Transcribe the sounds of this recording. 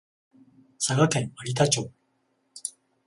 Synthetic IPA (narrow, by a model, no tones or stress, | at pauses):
saɡakẽ̞ŋaɾʲit̪̬at͡ɕoː